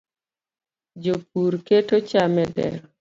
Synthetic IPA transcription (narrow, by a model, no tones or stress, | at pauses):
d͡ʒop̚uɾketot͡ʃamɛdɛ̰ɾɔ